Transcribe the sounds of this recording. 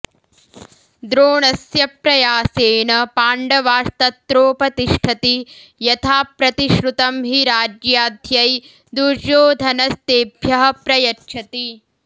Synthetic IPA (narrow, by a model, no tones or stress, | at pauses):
d̪ɾoːɳɐsjɐpɾɐjaːseːnɐpaːɳɖɐʋaːst̪ɐt̪ːɾoːpɐt̪iʂʈʰɐt̪ijɐt̪ʰaːpɾɐt̪iʃɾut̪ɐmɦiɾaːd͡ʒjaːd̪ʱjɐj | d̪uɾʃoːd̪ʱɐnɐst̪eːbʱjɐɦɐ̆pɾɐjɐtʃʰɐt̪i